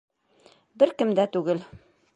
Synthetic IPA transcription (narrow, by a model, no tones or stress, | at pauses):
bɘɾkɘ̆md̪æt̪ʉɡɘl